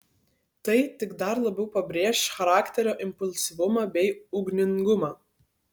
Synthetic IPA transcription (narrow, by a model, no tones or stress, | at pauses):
t̪ɐɪt̪ʲɪɡd̪ɐɾlˠɐbʲɛʊpɐbʲɾʲeːʃxɐɾɑːkt̪ʲɛɾʲoːʔɪmʲpʊlʲsʲɪʋʊmɑːbʲɛɪʊɡnʲɪŋɡʊmɑː